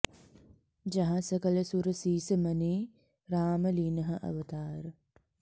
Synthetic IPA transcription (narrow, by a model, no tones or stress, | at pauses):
d͡ʒɐɦasəkələsuɾəsiːsəmɐneː | ɾaːməliːnəɦəʔɐ̰ʋət̪aːɾə